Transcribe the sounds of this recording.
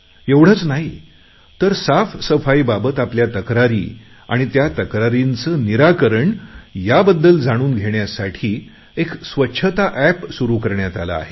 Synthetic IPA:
eʋɽ̤ət͡snaɦi | t̪əɾsafsəfaibabət̪apljat̪əkɾaɾḭː | a̰ɽ̃it̪jat̪əkɾaɾint͡səːniɾakəɾəɳjabəd̪ːəld͡zaɽ̃uːnɡʱeɳjasaʈʰiː | eksʋətːɕʰət̪aʔæpsuɾuːkəɾɳjat̪ala̰ːɦe

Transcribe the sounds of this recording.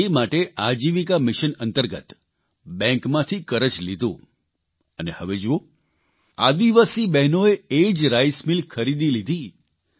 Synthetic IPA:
emaʈeʔad͡ʒiʋikamɪʃənənt̪əɾɡət̪ | bɛ̃ŋkmãt̪ʰikəɾət͡ʃlid̪ʱũ | ənehəʋed͡ʒoo | ad̪iʋasibɛɦnoeed͡ʒɾajsmilkʰəɾid̪ilid̪ʱi

